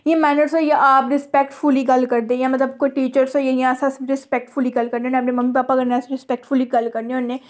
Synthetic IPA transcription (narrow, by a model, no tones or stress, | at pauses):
jẽːmɛːnəɾsoːjeʔaːpɾɪspɛːkʈfʰʊliːɡəlkəɾd̪ẽːjãːmət̪ləbkoiʈiːt͡ʃəɾsoːjejãəsãsɾɪspɛk̚ʈfʰʊliːɡəlkəɾneɦoːnẽːəpnẽməmːipaːpakəɾneasɾɪspɛːk̚ʈfʰʊliːɡəlkəɾneoːnːeː